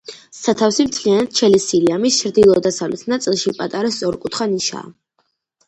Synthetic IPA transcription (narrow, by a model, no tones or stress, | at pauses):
sat̪ʰafsimt̪ʰlianat̪̚t͡ʃʰɛlisiliamist͡ʃʰɾd̪ilˠɔd̪asavlḭsʰnat̪sʼilˠʃipʼat̪ʼaɾast̪ʼɔɾkʼut̪ʰχaniʃa̰ː